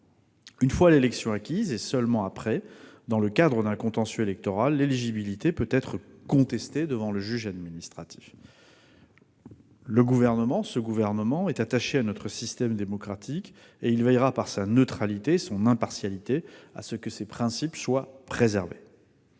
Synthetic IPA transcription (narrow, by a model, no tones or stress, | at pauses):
ynfwalelɛksjɔ̃akʲizesœlmɑ̃apχɛd̪ɑ̃ləkad̪ʁəd̪ɛ̃kɔ̃t̪ɑ̃sjyelɛk̚t̪ɔʁalːeliʒibilit̪epøtp̪ɛt̪χəkɔ̃t̪ɛst̪ed̪əvɑ̃ləʒyʒad̪minist̪χat̪ʰi̥f | ləɡuvɛʁnəmɑ̃səɡuvɛʁnəmɑ̃ɛt̪at̪aʃeanɔt̪χəsist̪ɛmd̪emɔkχat̪ʰik | eilvɛjʁapaʁsanət̪χalit̪esɔ̃nɛ̃paʁsjalit̪ea̰səkəsepχɛ̃sipswapχezɛʁve